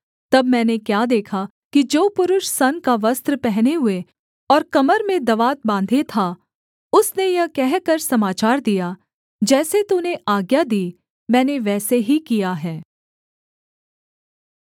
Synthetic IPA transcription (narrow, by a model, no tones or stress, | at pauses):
t̪ɐbmɛ̃ːnekjaːd̪eːkʰa | kid͡ʒoːpʊɾʊʃsɐnkaʋɐst̪ɾəpɛɦneɦʊe | ɔːɾkɐməɾmẽd̪ɐʋaːt̪̚bãːnd̪ʱet̪ʰa | ʊsnejɐkɛɦkɐɾsɐmaːt͡ʃaːɾd̪ija | d͡ʒɛːset̪uneʔaːɡjad̪iː | mɛ̃ːneʋɛːseɦikijaɦɛː